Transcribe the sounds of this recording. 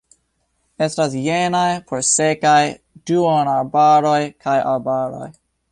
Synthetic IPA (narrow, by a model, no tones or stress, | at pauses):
estasjenajpʰoɾsekaj | d̥uonaɾbaɾojkʰajʔa̰ɾbaɾo̰j